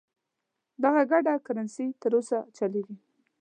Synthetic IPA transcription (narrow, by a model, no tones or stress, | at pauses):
d̪aɣaɡaɖakaɾanset̪əɾosat͡ʃaleɡi